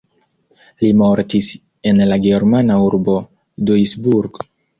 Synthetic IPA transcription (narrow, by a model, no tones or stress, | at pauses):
limo̞ɾtis | e̞nlaɡe̞ɾmanauɾbo̞ | dujsbuɾɡ